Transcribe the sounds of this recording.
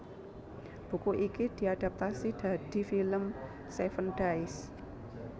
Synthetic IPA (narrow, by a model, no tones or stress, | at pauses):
b̥ṳkuʔikid̪̥i̤ad̥a̤p̚t̪asid̪̥a̤d̪̥i̤filəm | sefənɖ̥aɪs